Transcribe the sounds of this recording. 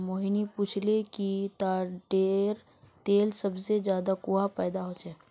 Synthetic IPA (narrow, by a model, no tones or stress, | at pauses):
moːɦinipuːt͡ʃʰlekit̪aːɖeːɾ | t̪eːlsɐbsed͡ʒjaːd̪akuɦapɛːd̪aɦoːt͡ʃɛː